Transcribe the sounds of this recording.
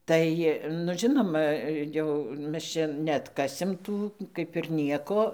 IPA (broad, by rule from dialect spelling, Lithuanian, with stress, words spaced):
ˈtɐɪ nʊ ˈʒʲɪnoːmɐ jɛʊ ˈmʲɛs t͡ʃʲɛ nʲɛɐtˈkɑːsʲɪm ˈtuː ˈkɐɪp ɪr ˈnʲiɛkoː